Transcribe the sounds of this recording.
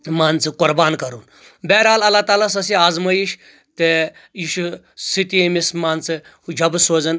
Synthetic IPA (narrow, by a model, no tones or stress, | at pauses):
maːnt͡sɨkʊɾbaːnkɐɾuːn | bɛːɾaːlɐlaːt̪aːlas̬ɐsiaːzmɐjiʃ | t̪e | iʃu | sit̪iemismaːnt͡sɨ | d͡ʒʱɐbsoːzɐn